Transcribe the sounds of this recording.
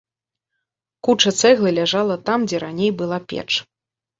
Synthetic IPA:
kut͡ʂɐt̪sɛɣlˠɨlʲaʐalˠɐt̪amd͡zʲɛɾanʲejbɨlˠapʲɛ̰t͡ʂ

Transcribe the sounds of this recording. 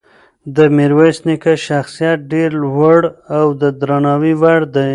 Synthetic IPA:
d̪əmiɾwasnikaʃaxsijat̪̚ɖeɾwəɽawd̪əd̪ɾanɑwiwaɽd̪ə

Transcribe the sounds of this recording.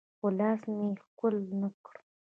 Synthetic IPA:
xʊlɑsmexkʊlnəkɽu

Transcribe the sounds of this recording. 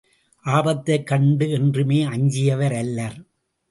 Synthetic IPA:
ʔaːbɐt̪ːɐɪkːɐɳɖɯɛndrɯmeːɐɲd͡ʒɪjɐʋɐɾɐlːɐɾ

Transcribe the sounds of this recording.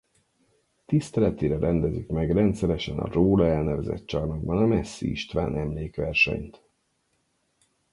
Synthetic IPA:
t̪ist̪ɛlɛt̪iːɾɛɾɛnd̪ɛzikmɛɡrɛnt̪sɛɾɛʃɛnɒ̰roːlɒɛlnɛvɛzɛ̰t̪t͡ʃɒrnoɡ̚bɒnɒmɛsːiiʃt̪ʋa̰ːnɛmleːkʋɛrʃɛ̰ɲt̪

